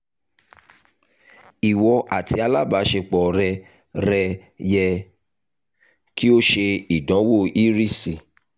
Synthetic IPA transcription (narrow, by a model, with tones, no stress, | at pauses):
i˨wɔ˧ʔa˨tʰi˧˦a˧la˦˨ba˨˦ʃe˧k͡pɔ˨ɾɛ˧ | ɾɛ˧jɛ˧ | ki˦o˦ʃe˧i˨dɔ̃˨˦wo˦˨ʔi˦ɾi˦si˨